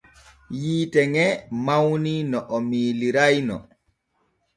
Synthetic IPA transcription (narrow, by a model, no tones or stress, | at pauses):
jiːtɛŋɛmawninɔʔɔmiːliɾajnɔ̰